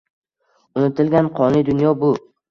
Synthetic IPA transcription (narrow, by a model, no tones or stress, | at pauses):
ʊnɪt̪ʰɪlɡʲanqʰɒnɪd̪ʊnjɒbʊ